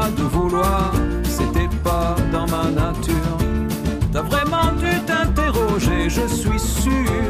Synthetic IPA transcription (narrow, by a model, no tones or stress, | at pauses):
d̪əvulwaʁ | set̪ɛpad̪ɑ̃manat̪ʰyːʁ | t̪yavʁɛmɑ̃d̪yt̪ɛ̃t̪eʁɔʒeʒəsɥisy